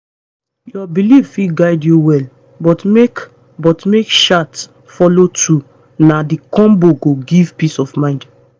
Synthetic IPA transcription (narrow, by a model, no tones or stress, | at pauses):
jɔbiliffiɡaɪdjuwɛl | bɔtmek | bɔtmekʃat | fɔlotʰu | nadikɔ̃mboɡoɡivpisɔvmãɪ̃nd